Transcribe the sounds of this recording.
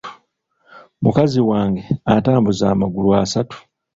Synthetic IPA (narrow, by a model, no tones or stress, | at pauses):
mukaziwaːŋɡe̞ataːmbuzaːmaɡuluasatu̥